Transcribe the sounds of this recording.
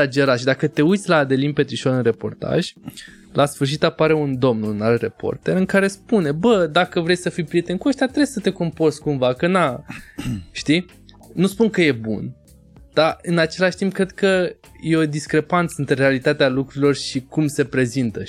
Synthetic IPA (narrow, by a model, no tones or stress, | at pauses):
ad͡ʒe̞ɾaʃid̪akət̪e̞ujt̪sʲlaːd̪e̞linpe̞t̪ɾiʃolɨnre̞po̞̰rt̪a̰ʒ̥ʲ | lʔasfɨrʃ̬it̪apaɾe̞und̪o̞mnunalre̞po̞̰rt̪e̞ɾɨŋkaɾe̞spune̞bəd̪akəvɾe̞jsəfijpɾije̞t̪e̞nkuəʃt̪ʲat̪ɾejsət̪e̞kompo̞rskumvakəna | ʃt̪i | nuspuŋkəje̞bṵn | d̪̥aɨnat͡ʃe̞laʃt̪imp̚kɾed̪̚kə | je̞o̞d̪iskɾe̞pant̪səɨnt̪ɾeɾe̞alit̪at̪ealukɾuɾilo̞rʃikumse̞pɾe̞zint̪ə